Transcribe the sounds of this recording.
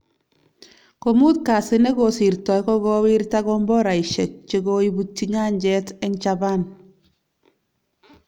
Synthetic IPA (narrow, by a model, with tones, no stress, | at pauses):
ko˨mu˦t̚ka˨sɪ˦nɛ˦ɡɔsi˨ɾtɔ˨jkɔ˦ɡɔ˦wi˦ɾtaɡɔmbɔ˦ɾa˨iʃɛ˨t͡ʃe˨ɡoibu˦t͡ʃːiɲa˦ɲd͡ʒɛtɛ˦ŋt͡ʃaba˦n